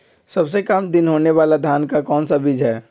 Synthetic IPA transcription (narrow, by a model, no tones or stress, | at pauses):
sɐbs̬ekamd̪ɪnɦoːneʋaːlad̪ʱjaːnkakɔːnsabɪd͡ʒɦɛː